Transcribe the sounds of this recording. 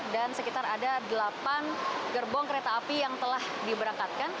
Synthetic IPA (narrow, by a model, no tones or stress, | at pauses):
dansəkit̪aɾadadəlapanɡərbɔŋkəɾet̪aːpijaŋt̪əlah | dibəɾaŋkat̪̚kan